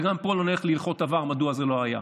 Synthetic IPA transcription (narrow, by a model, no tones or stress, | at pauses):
ɡampoloneχlilχo̞t̪avaʁmaduazelo̞aja